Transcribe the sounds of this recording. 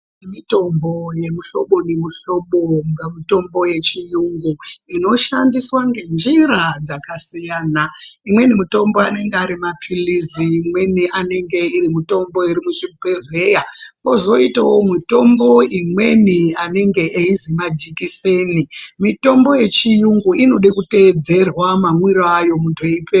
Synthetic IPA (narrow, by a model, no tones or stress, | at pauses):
emito̞mbo̞je̞muɬo̞ɓo̞nemuɬo̞ɓoŋɡamito̞mbo̞je̞t͡ʃijuŋɡuino̞ʃandiswaŋɡe̞nd͡ʒiɾad͡zakasijaːna | imwe̞nimito̞mbo̞ane̞ŋɡeaɾimapʰiliziːmwe̞niʔane̞ŋɡe̞irimito̞mbo̞iɾimuʐibʱeve̞jako̞zo̞itawomito̞mbo̞imwe̞niane̞ŋɡe̞ʔeizimad͡ʒikisenimito̞mbo̞je̞t͡ʃijuŋɡuʔino̞ɗekute̞ːd͡ze̞rwamamwiɾoajo̞muntʰuipe